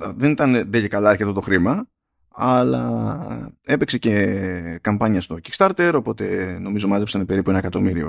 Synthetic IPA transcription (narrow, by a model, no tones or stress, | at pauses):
ðe̞nit̪ɐnðeʝekɐlɐɐɾçet̪ot̪o̞xɾimɐ | ɐlɐ | e̞pe̞kse̞ce̞kɐmpɐɲɐst̪o̞cikst̪ɐɾt̪e̞ɾo̞po̞t̪e̞no̞mizo̞mɐzepsɐnepe̞ɾipuenɐekɐt̪o̞miɾio̰